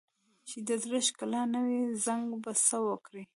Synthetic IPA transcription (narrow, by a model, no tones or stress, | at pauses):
t͡ʃɪd̪əd̪ɾeʃkalanawezaŋɡbasəwəkɾi